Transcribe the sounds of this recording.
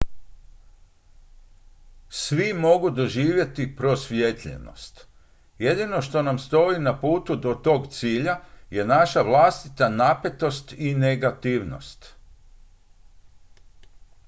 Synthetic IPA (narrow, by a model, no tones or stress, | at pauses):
sʋimo̞ɡud̪o̞ʒiːʋje̞t̪ipɾo̞sʋjet̪ʎḛno̰st̪ | jed̪ino̞ʃt̪o̞namst̪o̞inapuːt̪ud̪o̞t̪o̞ːɡt̪siːʎaje̞naʃaʋlˠast̪it̪anape̞t̪o̞st̪ine̞ɡat̪iʋno̞̰st̪